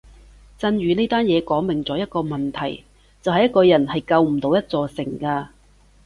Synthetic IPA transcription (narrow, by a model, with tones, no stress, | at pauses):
t͡sɐ˧njyː˨neː˥t̪aː˥njɛː˨˧kɔː˨˥ŋmɪ˨˩ŋt͡sɔː˨˥jɐ˥t̚kɔː˧mɐ˨nt̪ʰɐ˨˩j | t͡sɐ˨whɐ˨jɐ˥t̚kɔː˧jɐ˨˩nhɐ˨jkɐ˧wm̩˨˩t̪o˨˧wjɐ˥t̚t͡sɔː˧sɪ˨˩ŋkaː˧